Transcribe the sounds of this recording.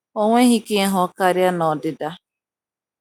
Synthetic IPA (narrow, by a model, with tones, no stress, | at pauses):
o˦ŋʷe˦ɦi˦ke˦ɦɔ˦ka˦ɾja˦nɔ˨dɪ˨da˦